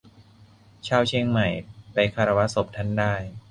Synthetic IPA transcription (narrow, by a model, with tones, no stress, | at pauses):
t͡ɕʰaː˥˩wt͡ɕʰe˧ŋma˨˩jpa˧jkʰaː˧ɾa˧wa˦˥so˨˩p̚t̪ʰa˦˥˩ndaː˥˩j